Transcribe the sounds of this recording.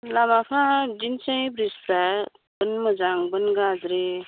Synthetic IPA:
lamafʰãdinsə̃ĩbɾispɾa | bənməd͡zaŋbənɡad͡zɾe

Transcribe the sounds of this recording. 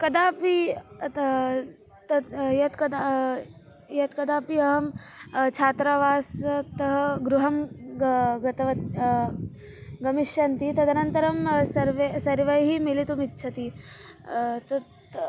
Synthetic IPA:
kɐd̪aːpi | t̪ɐjɐt̪kɐd̪a | jɐt̪kɐd̪aːpiɐɦɐmt͡ʃʰaːt̪ɾaʋaːst̪ɐɦɐɡɾuɦɐm | ɡɐt̪ɐʋɐt̪ | ɡɐmiʃjɐnt̪it̪ɐd̪ɐnɐnt̪ɐɾɐmsɐɾʋesɐɾʋɐjɦimilit̪umitːʃʰɐt̪i | t̪ɐt̪

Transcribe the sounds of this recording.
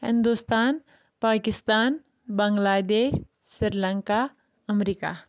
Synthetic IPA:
hɪ̰̃nd̪ust̪aːn | paːkɪst̪aːn | bɐŋɡlaːd̪eːʃsiɾləŋka | ɐmɾika̰

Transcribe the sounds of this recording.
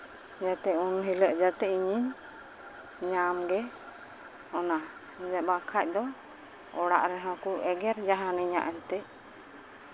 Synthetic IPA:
d͡ʒat̪ɛunɦiləʔd͡ʒat̪ɛiɲiɲ | ɲamɡɛ | ɔna | d͡ʒabakʰac̚ˀd̪ɔ | ɔɽa̰ʔɾɛɦɔ̃kuʔɛɡɛɾd͡ʒaɦaniɲa̰ʔɛlt̪ɛʔ̚

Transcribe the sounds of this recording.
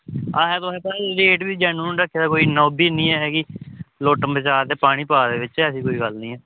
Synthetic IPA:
aːɦɛːt̪õɛ̃ːpɛɾeːʈbiːd͡ʒɛːnũːɖəkʰːeːd̪aːkoːiːnɔːbiːnĩːɛːɦɛːkiloːʈəmbət͡ʃaːɾt̪eːpaːɽ̃ĩːpaːd̪eːʋɪt͡ʃɛːəsĩːkoːiːɡəlnĩːɦɛː

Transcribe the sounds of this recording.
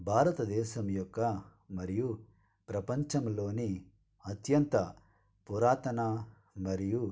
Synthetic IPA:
bʱaːɾɐt̪ɐd̪ɛːʃɐmjɔkːɐ | mɐɾiju | pɾɐpɐɲt͡ʃɐmlo̞ːni | ɐt̪jɐnt̪ɐ | puɾaːt̪ɐna | mɐɾiju

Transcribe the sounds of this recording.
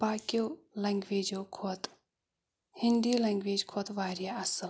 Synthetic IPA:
baːkijoːlɐŋɡʋeːd͡ʒokʰoːt̪ | hind̪iːleŋɡʋeːd͡ʒkʰot̪ʋaːɾjaɐsɨl

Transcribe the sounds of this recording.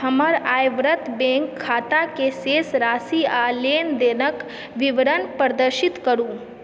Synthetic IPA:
hɐməɾaːjʋɾət̪bẽːŋkʰːaːt̪akeseːsɾaːsialeːnd̪eːnək | ʋɪʋɾənpəɾd̪əɾʃɪt̪kəɾũː

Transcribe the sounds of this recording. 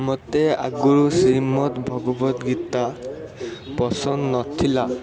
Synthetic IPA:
mɔtɛa̰ɡuɹusimɔtbʱɔɡɔbɔtɡitːa | pɔsɔnnɔtʰːila

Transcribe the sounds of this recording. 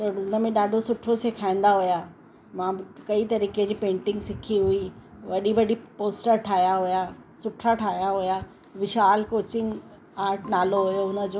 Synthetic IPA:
t̪ɐʊnə̆mẽɗaːɖʱosʊʈʰɾosekʰaːĩn̆d̪aɦʊja | mãɪkɐit̪ɐɾiːked͡ʑiːpẽːɳʈɪ̃ŋɡsɪkʰiɦʊiʋɐɗiʋɐɗipoːsʈəɾʈʰaːɦjaɦʊjasʊʈʰɾaʈʰaːɦijaɦʊja | ʋɪʃaːlkoːt͡ɕɪ̃ŋɡ | aːɾʈnaːloɦʊjoʊnə̆d͡ʑoː

